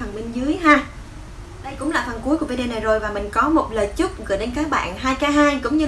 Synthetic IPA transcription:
ə˨˩nɓï˧ŋ̟zɨ˨˦əjɦaː˧ | ɗə˧jkʊ̰˧˥ŋ͡mlaː˨˩t̪ʰə˨˩nku˨˦jku˧˩vi˧˦ɗe˧na˨˩jzo˨˩jvaː˨˩mï˨˩ŋ̟kɔ˨˦mo˨˩t̚ləː˨˩jt͡ɕɨ˦˥k͡p̚ɣɨ˨˩jɗe˧nkaː˦˥k̚ɓa̰ː˧˨nɦaː˧jkaː˨˦ɦaː˧jkʊ̰˧˥ŋ͡mɲɨ˧

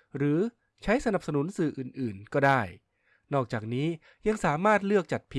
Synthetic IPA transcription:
ɾɯː˩˦ | t͡ɕʰa˦˥jsa˧na˨˩p̚sa˧nu˩˦nsɯː˨˩ʔɯː˨˩nʔɯː˨˩nkɔː˥˩daː˥˩j | nɔː˥˩k̚t͡ɕaː˨˩k̚niː˦˥ | ja˧ŋsaː˩˦maː˥˩t̪̚lɯ˥˩ək̚t͡ɕa˨˩t̪̚pʰi˧˥

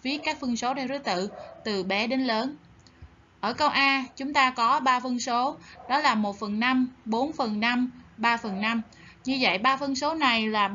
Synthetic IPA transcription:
vi˨˦əkːaː˦˥k̚fə˧ənso˨˦ɗaː˧zɨ˨˦˥t̪ɨ̰˧˨t̪ɨ˨˩ɓɛ˨˦ɗe˨˦nləː˨˦n | ʔəː˧˩kə˧wʔaː˧t͡ɕʊ˨˦ŋ͡mt̪aː˧kɔ˨˦ɓaː˧fə˧nso˨˦ɗɔ˨˦laː˨˩mo˨˩t̚fə˨˩nːa˧mɓo˨˦nfə˨˩nːa˧mɓaː˧fə˨˩nːa˧m | ɲɨ˧və̰˧˨jɓaː˧fə˧nso˨˦na˨˩jlaː˨˩

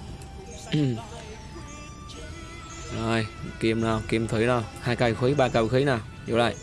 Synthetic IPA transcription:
zɔ˨˩jki˧əmnɔ˧˩wki˧əmt̪ʰi˨˦jnɔ˧˩whaː˧jkaː˧˩˧xi˨˦ɓaː˧kaː˧wxi˨˦jnaː˨˩w | zo̰˧˨˦la̰ː˧˨j

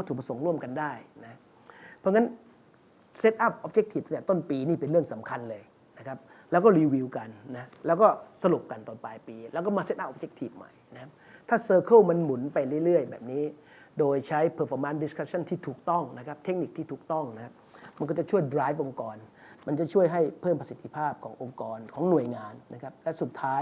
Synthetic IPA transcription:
kːt̪ʰːkp̚a˧so˩˦ŋɾu˥˩əmka˧ndaː˥˩jna˦˥ | pʰɔː˧ŋa˦˥n | se˦˥t̪̚ʔa˥˩p̚ʔoː˦˥p̚t͡ɕe˦k̚t̪ʰi˨˩t̪a˧t̪ːɛː˨˩t̪o˥˩npiː˧niː˥˩pe˧nɾɯ˥˩əŋsa˩˦mkʰa˧nlɤː˧j | na˦˥kʰa˦˥p̚ | lɛː˦˥wkɔː˥˩ɾiː˧wi˧wka˧nːa˦˥lɛː˦˥wkɔː˥˩sa˧ɾu˨˩p̚ka˧nt̪ɔː˧npaː˧jpiː˧lɛː˦˥wkɔː˥˩maː˧se˦˥t̪ʔa˥p̚ʔoː˧˩t͡ɕe˦˥k̚t̪ʰi˨˩p̚ma̰˨˩jna˦˥kʰa˦˥p̚t̪ʰaː˥˩sɤː˧kʰɯ˥˩ma˧nmu˨˩˦npa˧jɾɯ˥˩˨jɾɯ˥˩əjbɛ̰ː˨˩p̚niː˦˥ | doː˧jt͡ɕʰa˦˥jpʰɤː˧˩fɔː˧˦maː˧˥ndi˦˥skʰa˦˥t͡ɕʰa˥˩nt̪ʰiː˥˩t̪ʰuː˨˩k̚t̪ɔ˥˩ŋna˦˥kʰa˦˥p̚t̪ʰe˦˥k̚ni˨˩k̚t̪ʰiː˥˩uː˨˩k̚t̪ɔ˥˩ŋna˦˥kʰa˦˥p̚ma˧nk̬ɔ˥˩t͡ɕa˨˩t͡ɕʰu˥˩əjdɾaː˦˥jfʔo˧ŋkɔː˧n | ma˧nt͡ɕa˨˩t͡ɕʰu˥˩əjɦa˥˩jpʰɤː˥˩mpɾa˧si˨˩t̪ʰːi˧pʰaː˥˩p̚kʰɔ̰ː˩˦ŋʔo˧ŋkɔː˧nkʰɔː˩˦ŋnu˨˩əjŋaː˧nːa˦˥kʰa˦˥p̚lɛ˦˥su˨˩t̪ʰːaː˦˥j

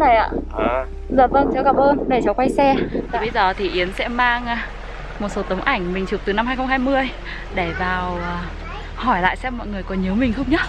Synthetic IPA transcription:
na˨˩jʔa̰ː˧˨ | zə˨˩t̚ʔəː˧nt͡ɕa˧˦wɣa˨˩p̚ʔəː˧nɗe˧˩t͡ɕa˨˦wkwa˧jsɛ˧˨˩ɓə˨˧˦jzəː˨˩t̪ʰi˨˩ʔi˨˦ənsɛ̰˧˥maː˧ŋː˧ | mo˨˩t̚so˨˦t̪ə˨˦wŋ͡mʔa˧˩jŋ̟mï̟˨˩t͡ɕu˨˩k̚t̪ɨ˨˩na˧mhaː˧jxə˧ŋ͡mhaː˧jmɨ˧əj | ɗe˧˩vaː˨˩wː | hɔ˧˩jla̰ː˧˨jsɛ˧mːɔ̰˧˨jŋɨ˨˩əjkɔ˨˦nɲi˨˦wmï˨˩ŋ̟xə˧wŋ͡mɲə˦˥

